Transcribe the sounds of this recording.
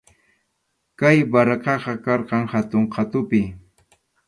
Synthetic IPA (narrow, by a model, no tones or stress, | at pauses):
kajbaɾɑqɑqɑkɑɾqɑŋhat̪ʊɴqʰɑt̪ʊpɪ